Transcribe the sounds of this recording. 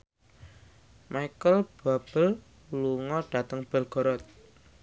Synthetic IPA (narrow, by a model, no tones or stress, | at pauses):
maikəlb̥a̤b̥ə̤l | luŋɔɖ̥ä̤t̪əŋb̥ə̤lɡ̥ɔ̤ɾɔt̪̚